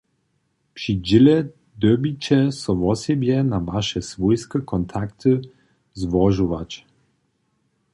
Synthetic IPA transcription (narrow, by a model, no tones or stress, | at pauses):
pʃid͡ʒɪlɛ | d̪øbit͡ɕɛsɔʋɔsɛbjɛnavaʃɛsʋujskəkʰɔnt̪ʰakt̪ə | zvɔʒuʋat͡ʃ